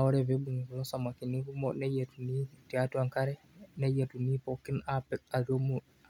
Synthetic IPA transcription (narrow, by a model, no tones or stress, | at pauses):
awɔɾɛvebuŋɡulɔsamakinikumɔnɛjetunitiatuaŋkaɾɛ | nɛjatunipɔkːinapɛk̚ad͡ʒomu